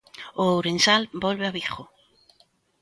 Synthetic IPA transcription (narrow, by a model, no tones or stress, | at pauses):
oowɾẽnsalbolβeaβiχo